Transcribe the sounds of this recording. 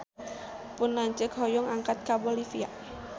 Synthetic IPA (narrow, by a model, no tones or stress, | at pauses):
pʊnːaɲt͡ʃəkɦɔjɔŋaŋkat̪̚kabɔlifia̰